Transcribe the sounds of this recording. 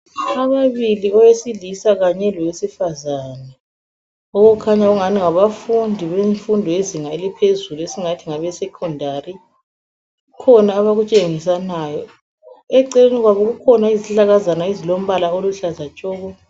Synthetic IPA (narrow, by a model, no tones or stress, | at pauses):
aβaβiliɔwesilisaɣaɲɛlɔwesifazanɛ | ɔɣɔkʰaɲaɣuŋaniŋaβafundʱiβeɱfundʱɔeziŋaelipʰezuluesiŋatʰiŋaβɛsɛkʰɔndʱari | ukʰɔnaːβaɣut͡ʃʼeŋis̬anajɔ | ɛǀeniɣwaβɔɣukʰɔnaiziɬaɣazanaizilom̩βalaoluɬazat͡ʃʼɔːɣɔ